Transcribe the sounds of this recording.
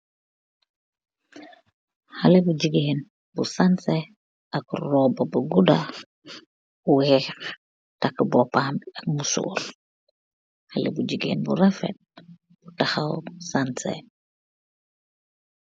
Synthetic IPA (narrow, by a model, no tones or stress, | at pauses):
halebud͡ʒiɡeːn | busanse | akrɔbabaɡuda | uwhɛ | takbɔpaːnak̚musṵɾ | halḛbud͡ʒiɡḛːnbṵɾafɛ̰t̚ | b̥utaxawsansḛ